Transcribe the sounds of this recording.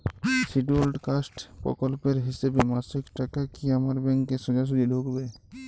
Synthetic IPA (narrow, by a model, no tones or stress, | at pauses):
siʈolʈkasʈpɾɔ̰kɔlpeɾɦisebemasikʈakakiamaɾbɛŋkːeʃɔ̃d͡ʒaʃ̬ud͡ʒilʱokbe